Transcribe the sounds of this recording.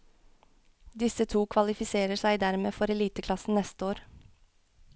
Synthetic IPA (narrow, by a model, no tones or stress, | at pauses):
d̪ɪsət̪ʰuːkʰʋɑlɪfɪseːɾəsæɪd̪æɾmḛːfɔɾɛliːt̪əkʰlɑsn̩nɛst̪əoːɾ